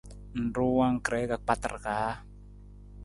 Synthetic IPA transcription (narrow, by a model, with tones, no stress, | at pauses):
n̩˨ɾu˦wa˦ŋ˨kɾɛ˨˦ka˨k͡pa˦t̪ə̰˨rka˨˦